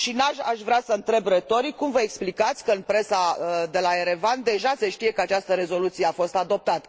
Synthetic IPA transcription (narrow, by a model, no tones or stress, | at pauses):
ʃinaʃaʃvɾeasəɨnt̪ɾe̞bret̪o̞ɾikːumvəeksplikat̪sʲkəɨnpɾe̞sad̪e̞lae̞ɾe̞vand̪e̞ʒaseʃt̪ije̞kəat͡ʃast̪əɾe̞zo̞lut̪sijeafo̞st̪ad̪o̞p̚t̪at̪ə̥